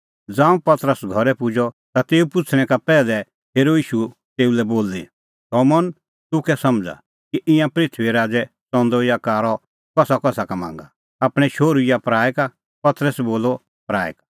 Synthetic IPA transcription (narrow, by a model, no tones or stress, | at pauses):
d͡zãːũpɐt̪ɾəsɡʱɔɾɛpʊd͡ʒɔ | t̪at̪eːupʊt͡sʰɽ̃ɛ̃kapɛːlɛ | eːɾoiːʃu | t̪eːulɛboːlːi | sɔmɔn | t̪ʊkɛsɐmd͡za̰ | kiʔɪ̃jãpɾɪt̪ʰʋiɾaːd͡zɛ | sɔ̃nd̪ɔjakaːɾɔ | kɔsakɔsakamã̰ːŋɡa | aːpɽ̃ɛʃoːɾujapɾaːjɛka | pɐt̪ɾəsboːlɔ | pɾa̰ːɛ̰kḁ